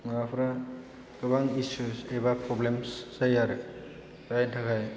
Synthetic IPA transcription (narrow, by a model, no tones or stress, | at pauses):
ŋapʰɾa | kɯbaŋisusebapɾɔblemssajaɾ | ajtʰakʰaj